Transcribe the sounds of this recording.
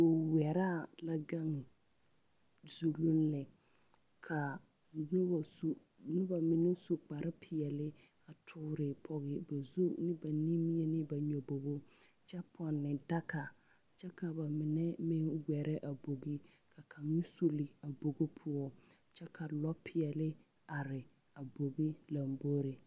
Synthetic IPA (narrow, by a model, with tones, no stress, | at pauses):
ʊ˨wɛ˨ɾa˦˨la˦ɡa˦ŋɪ˨ | zu˨lu˦n˦lɪ˨ | kʰa˨ | n˦˨s | nʊ˦ba˨mɪ˨nɛ˦su˨k͡pa˨ɾɪ˦pʰɪ˨ɛ˨lɪ˦ | a˨tʰʊː˦ɾɪ˨pʰɔ˦ɣɪ˦ba˨zu˦nɪ˦ba˨ni˦mi˦ɛ˦nɪ˦ba˨ɲɔ˨bo˨bo˦ | t͡ʃɛ˦pʰɔ˨nːɪ˨da˦ka˨ | t͡ʃɛ˦ka˨ba˨mɪ˨nɛ˦mɪ˦ŋɡɛ˨ɾʔɛ˦ʔa˨bo˨ɡi˦kʰa˨kʰa˨mɪ˦su˦lɪ˨a˨bo˨ɡo˦pʰʊ˦ɔ˦t͡ʃɛ˦kʰa˨lɔ˦pʰɪ˨ɛ˨lɪ˦ | a˨ɾɪ˨ | a˨bo˨ɡi˦la˨mbo˦ɾɪ˨